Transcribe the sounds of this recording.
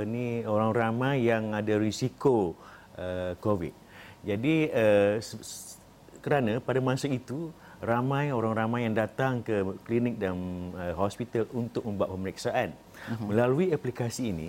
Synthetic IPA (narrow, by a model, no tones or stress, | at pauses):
ənioɾaŋramãjːaŋadaɾisikoəkovḭt̪̚ | d͡ʒadiə | kəɾanapadamãsait̪u | ramãjoɾaŋramãjjaŋdat̪aŋkəklinɪk̚danəɦɔspit̪alunt̪ʊk̚mə̃mbuaʔ̪̚pəməɾɛksaʔan | mə̃laluiaplikasiːnḭ